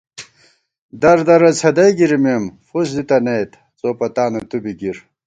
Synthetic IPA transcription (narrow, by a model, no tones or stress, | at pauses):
d̪ɐɾd̪ɐɾɐt͡sʰɐd̪ɐjɡiɾimemfus̬d̪it̪ɐnɐjt̪ | t͡soːpɐt̪aːnut̪ubiɡiɾ